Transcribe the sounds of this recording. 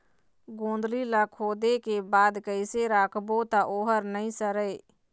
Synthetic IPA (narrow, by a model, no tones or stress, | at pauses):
ɡõːnd̪lilaːkʰoːd̪ekebaːd̪kəɪseɾaːkʰbot̪aʔoːɦəɾnəɦĩsəɾeː